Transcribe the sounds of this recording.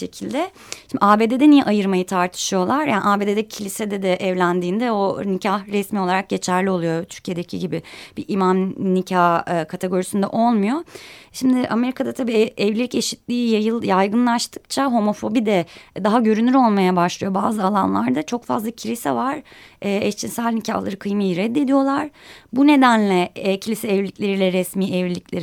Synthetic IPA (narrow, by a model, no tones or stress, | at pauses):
ʃecʰilʲd̪ɛ | ʃimd̪iaːbed̪ed̪ɛnijɛʔajɯɾmajɯt̪ʰaɾt̪ʰɯ̥ʃɯjo̞lˠaɾjaːnḭʔaːbe̞ːd̪ed̪ɛcʰilʲised̪ɛd̪ɛʔɛvlʲænd̪iːnd̪ɛo̞nicʰahɾɛsmio̞lˠaɾak̚ɟe̞t͡ʃʰæɾlʲio̞lˠujo̞t̪ʰy̥ɾcʰijed̪ecʰḭɟibib̥iʔimamnicʰahɯkʰat̪ʰe̞ɡo̞ɾisynd̪ɛ̰ʔo̞lˠmujo̞ʃimd̪ɪʔame̞ɾikʰad̪at̪ʰabiːɛvlʲilʲice̞ʃit̪lʲiːjajɯlˠjajɡɯnlˠaʃt̪ʰɯ̥k̚t͡ʃʰaɦo̞mo̞fo̞bid̪ɛd̪aɦaɟø̞ɾynyɾo̞lˠmajabaʃlˠɯjo̞baːzɯalˠanlˠaɾd̪at͡ʃʰo̞kfa̰zlˠacʰilʲisɛvaɾ̥ːɛst͡ʃʰinsælʲnicʰa̰hlˠaɾɯkʰɯjmɯjɾɛd̪ːe̞d̪ijo̞lˠaɾ̥bune̞d̪ænlʲɛcʰilʲisɛɛvlʲicʲlʲe̞ɾilʲɛɾɛsmiːʔɛvlilʲiclʲeɾ